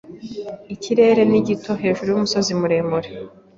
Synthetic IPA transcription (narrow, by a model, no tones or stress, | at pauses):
iciɾe̞ːɾe̞niɟito̞ɦe̞ːʒuɾujumuso̞zimuɾe̞ːmuɾe